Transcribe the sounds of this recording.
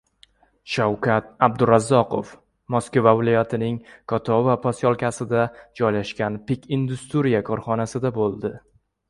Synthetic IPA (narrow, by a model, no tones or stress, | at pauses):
ʃawkʰʲat̪̚ab̚d̪ʊɾazːɒqʰo̰f | mɒskvavɪlˠɒjat̪ʰɪnɪŋkʰɒt̪ʰɒvapʰɒsjɒlˠkʲasɪd̪ad͡ʒɒjlaʃkʲanpɪkʲind̪ʊst̪ɾijakʰɒɾχɒnasɪd̪abolˠd̪ɪ